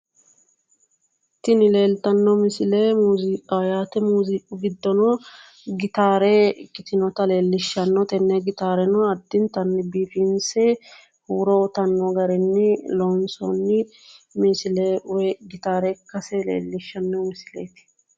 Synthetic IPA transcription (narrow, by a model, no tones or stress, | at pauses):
t̪ːɪnɪle̞ːlt̪ɐnːɔmɪsɪleːmuːzɪkʼajaːt̪ɛmuːzɪkʼʊɡɪd̪ːɔnɔ | ɡɪt̪aːɾeɪkʼːɪt̪ɪnɔt̪ɐle̞ːlːɪʃːɐnːɔt̪ɛnːɛɡɪt̪aːɾɛnɔɐd̪ːɪnt̪ɐnːɪbiːfɪnsɛ | huːɾɔt̪ɐnːɔɡɐɾɛnːɪlɔnsɔ̰nːɪ | mɪsɪlewɛɡɪt̪aːɾɛkːɐsɛlḛːlːɪʃːɐnːɔmɪsɪlḛːt̪ɪ̥